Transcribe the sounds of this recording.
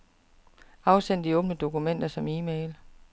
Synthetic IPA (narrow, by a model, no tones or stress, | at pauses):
ɑ̈ʊsen̰d̥iɔ̽ːb̥nəd̥o̝kumen̰d̥ɐsɒ̽miːmeːl